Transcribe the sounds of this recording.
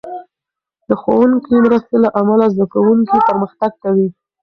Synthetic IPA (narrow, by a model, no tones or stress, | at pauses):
d̪əxwawuŋkimɾəst̪elaʔamalazd̪akawuŋkipəɾməxt̪aɡ̚kawi